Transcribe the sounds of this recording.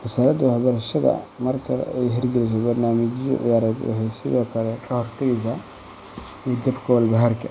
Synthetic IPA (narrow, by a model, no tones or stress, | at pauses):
wɐsaːɾɐd̪wɑħbɐɾɐʃɐðɐ̰mɐrkʰɐ̰ɛ̰jɦɐrɡɪlɪs̬ɔbɐrnaːmɪd͡ʒɪjɔ̰ʕɪ̰jaːɾɛːd̪wɑ̰ħɛjsɪðɔːkʰɐlɛkʰɐhɔrt̪ʰɐɣɛs̬aː | id̪ɐbkʰɐwɐlbɐɦɐrkʰɐ